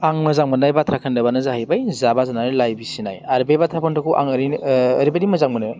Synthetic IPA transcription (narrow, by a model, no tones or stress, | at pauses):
aŋmɯzaŋmɯnajbatʰɾakʰɯndabanɯzahajbajzabazanaɾilajbisinajaɾbebatʰapʰɔntɔkʰuʔa̰ŋɾiːɾibadimɔzaŋmɯna